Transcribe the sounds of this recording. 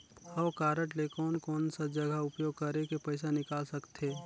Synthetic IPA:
ɔːkaːɾəʈlekɔːnkɔːnsad͡ʒəɡəʊpjoːɡ̚kəɾekepəɪsanɪkaːlsəkt̪ʰeː

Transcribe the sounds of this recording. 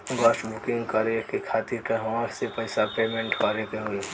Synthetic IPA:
ɡɔːsʈbʊkɪ̃ŋɡkɐɾeːkikʰaːt̪ikɐʋããsepɐɪsapeːmẽɳʈʋaːɾekeɦoːi

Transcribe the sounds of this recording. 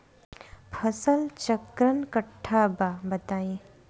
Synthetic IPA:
pʰəsəlt͡ʃɐkɾənkəʈʰːababɐt̪aːjẽ

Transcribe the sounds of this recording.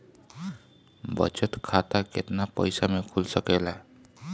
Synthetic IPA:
bə̰t͡ʃət̪kʰat̪aket̪napə̰jsamekʰulsəkela

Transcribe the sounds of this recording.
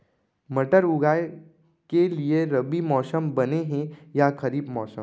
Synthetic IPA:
mɐʈəɾʊɡaːe | kelieɾɐbimɔːsəmbɐneɦɛ̃jakɐɾiːbmɔːsə̃m

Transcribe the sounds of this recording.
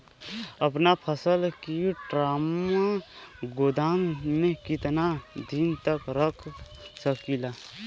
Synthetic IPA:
əpnapʰəsəlkiʈɾaːmaɡoːd̪aːmmẽkɪt̪nad̪int̪əkɾəkʰsəkila

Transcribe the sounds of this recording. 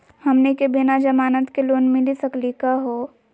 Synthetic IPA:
hɐmnekebenad͡ʒɐmaːnət̪keloːnmɪlisɐklikaɦoː

